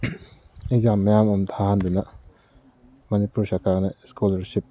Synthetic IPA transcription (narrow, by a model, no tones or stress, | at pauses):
ezamːɐjamɔmt̪ʰaɦand̪unɐ | mɐnipuɾsakʰaɡnaskɔlɐɾsip̚